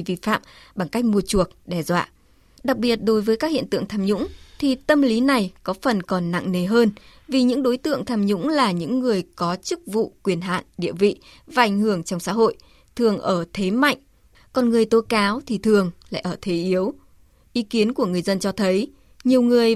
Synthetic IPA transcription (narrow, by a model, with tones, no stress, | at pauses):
vḭ˧˨fa̰ː˧˨mɓaː˧˩ŋka˦˥jk̟̚mu˧ət͡ɕu˧˨˩ək̚ɗɛ˧˩zwa̰ː˧˨ | ɗa˨˩k̚ɓi˨˩ət̚ɗo˨˦jvəː˨˦jka˦˥k̚hḭ˧˨ənt̪ɨ̰˧˨əŋt̪ʰaː˧mɲʊ̰˧˥ŋ͡mt̪ʰi˨˩t̪ə˧mli˨˦na˨˩jkɔ˨˦fə˨˩nkɔ˨˩nːa̰˧˨ŋne˨˩ɦəː˧nvi˨˩ɲɨ̰˧˥ŋɗo˨˦jt̪ɨ̰˧˨əŋt̪ʰaː˧mɲʊ̰˧˥ŋ͡mlaː˨˩ɲɨ̰˧˥ŋːɨ˨˩əjkɔ˨˦t͡ɕɨ˦˥k̚vṵ˧˨kwi˧˩ənɦa̰ː˧˨nɗḭ˧˨əvḭ˧˨ | vaː˨˩ʔa˧˩jŋ̟ɦɨ˧˩əŋt͡ɕɔ˧wŋ͡msa̰ː˧˥ɦo̰˧˨j | t̪ʰɨ˨˩əŋʔəː˧˩t̪ʰe˨˦ma̰˧˨jŋ̟ | kɔ˨˩nŋɨ˨˩əjt̪o˨˦kaː˨˦wt̪ʰi˨˩t̪ʰɨ˨˩əŋla̰ː˧˨ʔəː˧˩t̪ʰe˨˦ʔi˨˦əw | ʔi˨˦ki˨˦ənku˧˩əŋɨ˨˩əjzə˧nt͡ɕɔ˧t̪ʰə˨˦j | ɲi˨˩əwŋɨ˨˩əj